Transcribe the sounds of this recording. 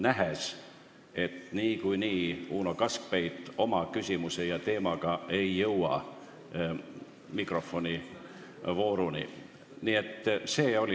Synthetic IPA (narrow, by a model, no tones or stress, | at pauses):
næɦes | e̞t̪niːkujniːuːno̞kɑsk̚pe̞jt̪ːˑo̞mɑkysʲimuse̞jɑt̪e̞ːmɑɡ̥ɑe̞jːɤwɑ̰ | mikro̞fo̞nʲi | vo̞ːɾunḭ | nie̞t̪ːse̞ːo̞li